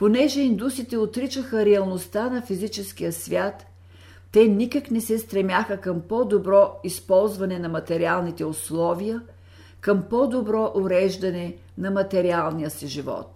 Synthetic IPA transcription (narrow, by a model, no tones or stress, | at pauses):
ponɛʒɛind̪usit̪ɛot̪ɾit͡ʃəxəɾɛɐlˠnost̪anɐfizit͡ʃɛsk̟ijəsvʲjat̪ː | ɛnikəknɛsɛst̪ɾɛmjaxəkəmpɔd̪obɾɔispɔlˠzvɐnɛnɐmɐt̪ɛɾialˠnit̪ɛoslˠɔvijə | kəmpɔd̪obɾɔʔoɾɛʒd̪ɐnɛ | nɐmɐt̪ɛɾialˠnijəsiʒivɔ̰t̪